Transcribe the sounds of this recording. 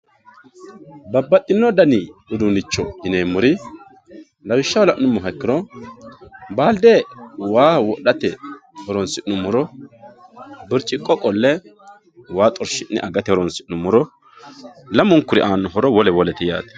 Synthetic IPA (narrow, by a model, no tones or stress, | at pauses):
bɐbːɐt̪ʼːɪnːɔd̪ɐnɪʊd̪ʊnɪt͡ʃːɔdɪneːmːʊɾɪ | lɐwɪʃːɐwlɐʔnːʊmːɔɦɐkːɪɾɔ | baːld̪ewaːwɔɗɐt̪ɛhɔɾɔnsɪʔnʊmʊɾɔ | bɪɾt͡ʃʼːɪkʼɔkʼɔlːɛ | waːt̪ʼɔɾʃɪnːɛ̰ʔɐɡɐt̪ɛhɔɾɔnsɪʔnːʊmʊɾɔ | lɐmʊŋkʊɾɪ̰ʔaːnːɔɦɔɾɔwɔlɛwɔlɛt̪ɪja̰ːt̪ɐ̥